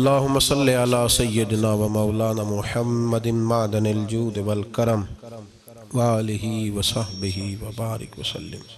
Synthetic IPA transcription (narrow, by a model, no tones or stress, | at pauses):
ɐlːaːɦʊmːɐsɐlːiʕalaːsɐjːɪd̪ɪnaːʋɐmɐwlaːnaːmʊħɐmːɐd̪ɪnmaʕːd̪ɐnɪld͡ʒuːd̪ɪʋɐlkɐɾɐm | wɐaːlɪɦiːʋɐsɐhbɪɦiːʋɐbaːɾɪ̰kʋɐsɐ̰lːɪ̰m